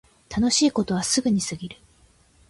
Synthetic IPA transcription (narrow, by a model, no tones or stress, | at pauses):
t̪ano̞ɕiːko̞t̪o̞βasɨɡɯ̟ɲ̟isɨɡʲiɾɯ̟